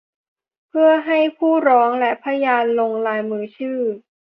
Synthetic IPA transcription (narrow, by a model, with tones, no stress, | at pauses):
pʰɯ˥˩ɐɦa˥˩jpʰuː˥˩ɾɔː˦˥ŋlɛ˦˥pʰa˧˥jaː˧nlo˧ŋlaː˧jmɯː˧˥t͡ɕʰɯː˥˩